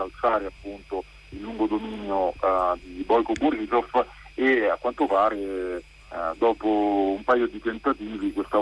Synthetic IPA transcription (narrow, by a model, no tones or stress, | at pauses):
alsaːɾeapːunt̪o | ilːuŋɡod̪omiːnjod̪ibɔjkoburizɔf | eakːwant̪opaːɾe | d̪ɔːpoumpajod̪it̪ent̪at̪iːvikwest̪a